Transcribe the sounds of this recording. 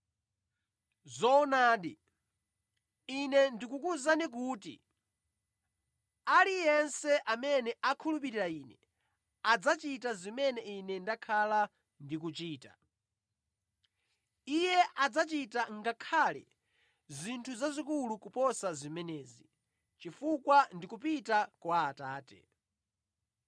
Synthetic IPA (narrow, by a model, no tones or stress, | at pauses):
zɔɔnaːɗi | inɛndikukuzanik̬uːtḭ | alijɛnsɛʔamɛnɛʔakʰulup̬iɾiɾaiːnɛ | ad͡zat͡ʃitazimɛnɛinɛndakʰala | ndik̬ut͡ʃiːta | ijɛʔad͡zat͡ʃitaŋɡakʰalɛ̰ | zʷintʰuzazikulukupɔsazimɛnɛːzi | t͡ʃifukwandikup̬itakwaːtaːtɛ̰